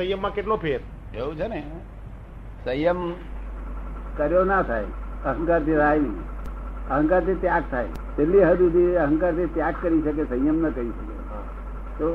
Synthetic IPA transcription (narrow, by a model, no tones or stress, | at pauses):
əjəmːãkeʈlopʰeɾ | eũt͡ʃʰene | səjəm | kəɾjonat̪ʰa̰jəɦə̃ŋkaɾt̪ʰit̪ʰajnəḭəɦə̃ŋkaɾt̪ʰit̪jaɡ̚t̪ʰaj | t͡ʃ̪elːiɦəd͡ʒ̪ud̪iəɦə̃ŋkaɾt̪ʰit̪jakkːəɾiʃək̬esəjəmnəkəɾiʃəkḛ | t̪o